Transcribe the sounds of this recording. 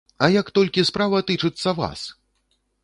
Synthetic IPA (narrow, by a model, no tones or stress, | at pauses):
ɐjakt̪ɔlʲkʲispɾavɐt̪ɨt͡ʂɨt̪sːɐva̰s